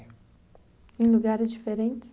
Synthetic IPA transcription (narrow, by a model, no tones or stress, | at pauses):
ẽj̃luɡaɾɪzd͡ʒifeɾẽnt͡ʃɪ̥s